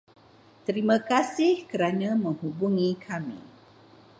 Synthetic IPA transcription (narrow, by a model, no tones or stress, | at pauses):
t̪əɾimãkasɪhkəɾanãmə̃ŋhubuŋikʰamḭ